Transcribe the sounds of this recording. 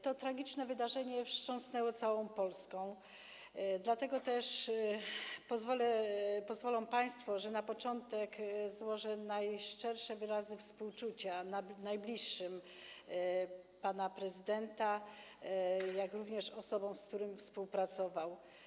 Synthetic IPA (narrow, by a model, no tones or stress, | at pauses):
t̪ɔt̪ɾaɡʲit͡ʂnɛvɘd̪aʐɛɲɛfʂt͡ʂɔ̃w̃snɛwɔt̪sawɔ̃w̃pɔlskɔ̃w̃ | d̪lat̪ɛɡɔt̪ɛʂ | pɔzvɔlɛpɔzvɔlɔ̃w̃paj̃st̪fɔʐɛnapɔt͡ʂɔnt̪ɛkzwɔʐɛnajʂt͡ʂɛɾʂɛvɘɾazɘfspuwt͡ʂut͡ɕananajblʲiʂːɘm | panapɾɛzɘd̪ɛnt̪a | jakɾuvɲɛʂɔsɔbɔ̃w̃sk̚t̪uɾɘmfspuwpɾat̪sɔvaw